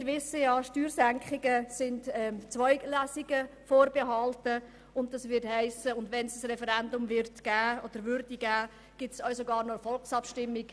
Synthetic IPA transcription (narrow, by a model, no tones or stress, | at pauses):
ɾvɪsːəjɑːʃtyːɾzæŋkχɪɡəsɪndɛt͡sʋɔʏɡlæːsɪɡəfoːɾbeɦɑltə | ʊntdɑsʋɪɾthæɪsəʊndʋɛnsəsrɛfɛɾɛndʊmvɪɾtɡ̥æːod̥əɾʋʏɾdiɡæː | ɡ̥ɪtsœʊsoɡɑːɾnɔfɔlksɑpʃtɪmːɪɡ̥